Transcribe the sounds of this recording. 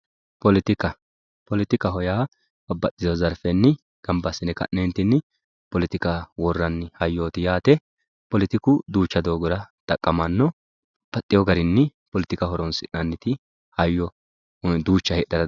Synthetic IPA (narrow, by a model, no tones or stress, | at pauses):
pɔlɪt̪ɪkɐ | pɔlɪt̪ɪkɐɦɔjaː | bɐbːɐtʼːɪzɔzɐɾfɛnːɪ | ɡ̥ɐmbɐsːɪnɛkɐ̰ʔːɛnt̪ːɪnːɪ | pɔlɪt̪ɪkɐwɔrːɐnːɪhɐjːoːt̪ɪjaːt̪ɛ | pɔlɪt̪ɪkʊd̪uːt͡ʃːɐd̪o̞ːɡɔɾɐt̪ɐkʼːɐmɐnːɔ | pɐt̪ʼːɪjɔɡɐɾɪnːɪpɔlɪt̪ɪkɐɦɔɾɔnsɪnɐnːɪt̪ɪ | hɐjːɔ | d̪uːt͡ʃːɐhɛɗːɐɾɐ